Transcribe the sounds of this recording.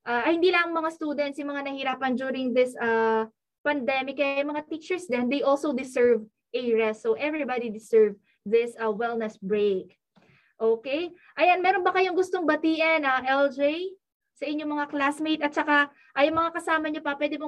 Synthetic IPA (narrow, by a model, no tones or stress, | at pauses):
ʔaːʔɐhɪnd̪iːlamɐŋmɐŋast̪uːd̪ɛnt̪sjʊmɐŋanɐhɪɾaːpɐnd͡ʒuːɾɪŋðɪsɐ | pɐnd̪ɛmɪkːɐjajʊŋmɐŋat̪it͡ʃɛɹsdɛnd̪ejʔolsowd̪ɪsɛɹv | ʔɛɹɛsːoʔɛvɹibad̪id̪ɪsɛɹv | ðɪsɐwɛlnɛsbɹek̚ | ʔoːkej | ʔɐjanmɛɾonbɐkɐjoŋɡʊst̪o̞ŋbɐt̪iːʔɐnaʔɛld͡ʒej | sɐʔɪɲːomɐŋaklasmejt̪ɐt̪̚t͡ʃɐka | ʔɐjʊŋmɐŋakɐsaːmɐɲopɐpwɛd̪ɪbɐ